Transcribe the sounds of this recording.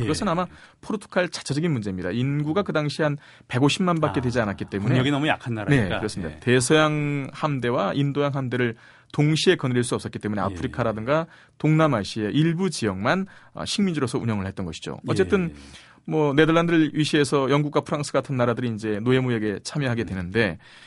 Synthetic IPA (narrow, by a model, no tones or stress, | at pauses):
kɯɡʌsʰɯnamapʰoɾotʰo̥kʰaɭt͡ɕḁt͡ɕʰad͡ʑʌɡinmund͡ʑe̞imɲida̰inɡuɡakɯdaŋɕʰiɦan | pe̞ɡoɕʰimːanbakk͈e̞dwe̞d͡ʑianat̚k͈it͈e̞muneɡinʌmuja̰kʰanːaɾne̞kɯɾʌs͈ɯmidate̞sʰʌjaŋhamde̞waʔindojaŋɦamde̞ɾɯɭ | toŋɕʰie̞kʌnɾiɭs͈uʌps͈ʌk͈it͈e̞mune̞a̰pʰɯɾikʰaɾadɯŋɡa | toŋnamaɕ͈ie̞ʔiɭbud͡ʑijʌŋmanʌ̰ɕʰiŋmind͡ʑuɾʌsʰʌuɲjʌŋɯɭhet͈ʌnɡʌɕʰi̥d͡ʑo̰ʌt͡ɕ͈e̞t͈ɯn | mwʌne̞dʌɭːandɯɭɥiɕʰie̞sʰʌjʌŋɡuk͈wapʰɯɾaŋs͈ʰɯɡatʰɯnːaɾadɯɾiind͡ʑe̞noe̞mujeɡe̞t͡ɕʰamjʌɦaɡe̞dwe̞nɯnde̞